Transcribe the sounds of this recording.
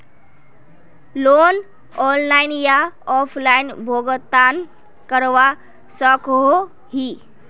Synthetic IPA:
lon | ɔllajnjaɔpʰlainbʱoɡət̪ːan | kəɾʋa | səko | ɦi

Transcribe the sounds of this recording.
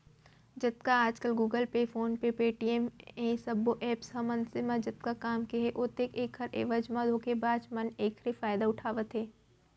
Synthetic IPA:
d͡ʒɐt̪kaaːd͡ʒkəlɡuːɡəlpefoːnpepeːʈiemẽsɐboʔɛːpsɐmə̃nsemãd͡ʒɐt̪̚kakaːmkeɦeʔoːt̪ekeːkʰɐɾḛːʋəd͡ʒmãd̪ʱoːkebaːd͡ʒmɐneːkʰɾefaːjd̪aʊʈʰaːʋət̪ɦeː

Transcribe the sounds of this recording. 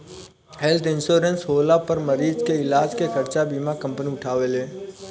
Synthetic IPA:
hɛlt̪ʰɪ̃nʃoːɾensɦoːlapəɾməɾiːd͡ʒkeɪlaːd͡ʒkekʰɐɾt͡ʃabiːmakə̃mpəniʊʈʰaːʋeleː

